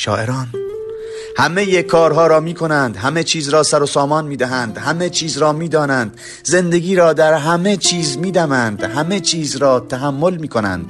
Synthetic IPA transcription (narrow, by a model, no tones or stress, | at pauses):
ʃɒ̰ːʔeɾɒːn | hæme̞jekʰɒːɾɦɒːɾɒːmiːkʰo̞nænd̪hæme̞t͡ʃʰiːzɾɒːsæɾosɒːmɒːnmiːd̪æɦænd̪hæme̞t͡ʃʰiːzɾɒːmiːd̪ɒːnænd̪̥ | ze̞nd̪eɡiːɾɒːd̪æɾɦæme̞t͡ʃʰiːzmiːd̪æmænd̪̥hæme̞t͡ʃʰiːzɾɒːt̪ʰæɦæmːolmiːkʰo̞næ̰nd̪̥